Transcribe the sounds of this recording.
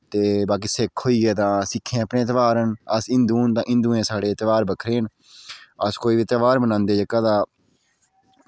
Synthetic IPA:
t̪eːbaːk̬iːsɪkʰɦoːiːɡeːt̪ãːsɪkʰːẽːəpneːt̪ʋaːɾənəsɪ̃nd̪uːnt̪ãːʔɪ̃nd̪uːẽːsaːɽeːt̪əʋaːɾbəkʰɾeːn | əskoːiːʋiːt̪əʋaːɾmənãːnd̪eːd͡ʒəkaːd̪aː

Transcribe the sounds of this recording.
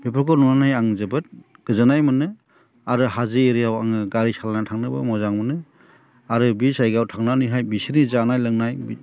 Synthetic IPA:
bepʰɯɾkɔnunanajaŋzɯbɯt̚ | ɡ̥ɯzɯnajmɯnɯ | aɾɯɦazɯeɾijawaŋɯɡaɾisalanatʰaŋnɯbɯ̰mɔzaŋmɯnɯ | aɾɯbisajɡawtʰaŋnanɯɦajbisiɾnizanajlɯŋnajb

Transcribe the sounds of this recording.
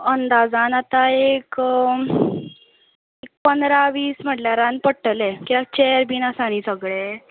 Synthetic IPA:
ənd̪ad͡zãnat̪aek | ek̚pənd̪ɾaʋiːsm̤əʈljaɾãnpəɽʈəlẽkiʋat͡ɕejəɾbiːnasañiːsəɡɭe

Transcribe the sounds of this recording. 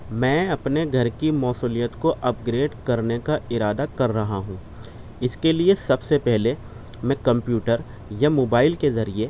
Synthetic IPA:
mɛ̃ːɐpneɡʱɐɾkimɔːsuːlijət̪koʔɐp̚ɡɾeːɖkɐɾnekaɪɾaːd̪akɐɾːɐɦaɦũː | ɪskeliesɐbsepɛɦle | mɛ̃kɐ̃mpjuːʈəɾ | jamoːbaːɪlkezɐɾie

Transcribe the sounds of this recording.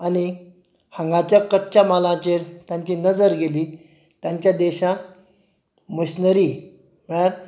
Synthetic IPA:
ani | hə̃ŋɡãt͡ɕjakətːɕamalãt͡ɕeɾt̪jãɲt͡ɕiːnəd͡zəɾɡeliː | t̪jãɲt͡ɕjad̪eɕã | məɕnəɾi | m̤əɽaɾ

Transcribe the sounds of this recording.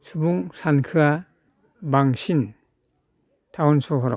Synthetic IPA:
sʰubuŋsankʰɯa | baŋsin | tʰawɔnsɔɦɔɾɔ

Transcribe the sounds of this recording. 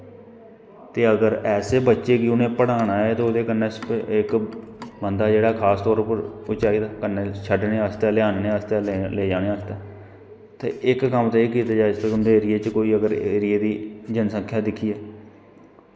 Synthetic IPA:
t̪eːəɡəɾɛːseːbətːʃeːkiʊnẽːpəɽaːnaːɛːt̪oːod̪eːkənːespɪkbənd̪aːd͡ʒeːɽaːkʰaːst̪ɔːɾpəɾʊt͡ʃaːiːd̪aːkənːeːʃʰəɖneːəst̪ɛːlɪjaːnnẽːəst̪ɛːleːd͡ʒaːɽ̃ẽːəst̪ɛː | t̪ḛːʔɪkːəmt̪aeːkiːt̪aːd͡ʒaːeɪsleːʊnd̪eːɾɪeːt͡ʃkoːiːəɡəɾɾɪeːd̪iːd͡ʒənsə̃ŋkʰjaːd̪ɪkʰiːɛː

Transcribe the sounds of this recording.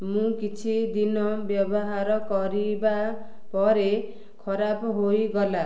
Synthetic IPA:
mũkit͡sʰid̪inʌbjʌbʌɦaɾʌkʌɾiba | pʌɾe | kʰʌɾabɦojɡʌla

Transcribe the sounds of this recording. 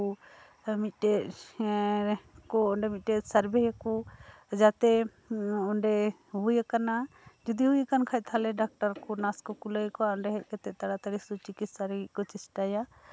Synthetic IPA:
u | mit̪ʈet | kɔɔɳɖɛmit̪̚ʈɛt̪saɾbɛjakud͡ʒat̪ɛ | ɔɳɖɛ | ɦujakana | d͡ʒɔd̪iɦujkankʰaj̚t̪ʰalɛɖak̚ʈaɾkɔnaskɔkuləjkɔaɔɳɖɛɦɛc̚kɛt̪ɛt̪aɽat̪aɽisut͡ʃikit̪saɾɡiʔ̚kɔt͡ʃisʈaja

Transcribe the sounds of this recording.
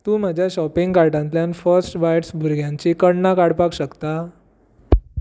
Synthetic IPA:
t̪ũːməd͡ʑʱjaɕɔpiŋɡkaɾʈãnt̪ljanfəɾsʈbajʈsbʱuɾɡʱjãɲt͡ɕikəɽnakaɽpakɕəkt̪a

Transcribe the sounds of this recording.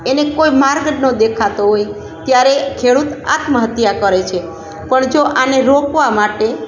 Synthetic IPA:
enekojmaɾɡnod̪ekʰat̪oɦoj | t̪jaɾekʰeɽut̪a̰t̪məɦət̪jakəɾet͡ʃʰe | pəɳd͡ʒoʔaneɾokʋamaʈe

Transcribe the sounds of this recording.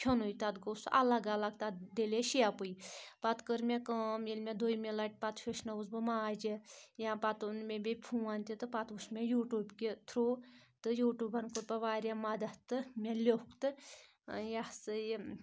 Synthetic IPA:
pʲʰonujt̪ɐd̪kosɐ̰laɡɐlɐɡt̪at̪d̪eleʃiapujpat̪kəɾmʲekɐːmilmʲed̪ojmʲelɐʈ̚ʲpɐt̪ʃoʃnɐuzbɨmaːd͡ʒijãpɐt̪unmʲebʲepʰũːant̪ʲit̪ɨpɐt̪usmʲejuːʈuːbkʲit̪ʰɾoːt̪ɨjuːʈuːbɐnkuɾpɐʋaːɾʲjamɐd̪ɐt̪ːɨmʲelʲokt̪ɨ | jasɨj

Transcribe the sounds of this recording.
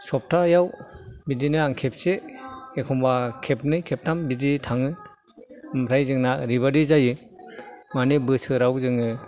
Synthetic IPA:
sɔp̚tʰajawbidinɯaŋkʰep̚seekʰɔmbakʰep̚nɯjkʰep̚tambiditʰaŋɯ | mɾajzɯŋnaɾiβadizajɯ | manɯbɯsɯɾawzɯŋɯ

